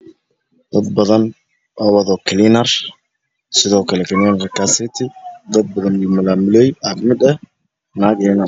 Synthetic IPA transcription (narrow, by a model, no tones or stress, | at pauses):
d̪̥ɐd̪bɐðɐn | waːwɐðɔkʰɪlɪnɐr | sɪðɔːkʰɐlɛkɪlinɐɾkasɪt̪ʰɪd̪ɐd̪̚bɐðɐnjɪmɐlaːmʊlɛjafmɪd̪ɛ | naːkɪlɪnɐ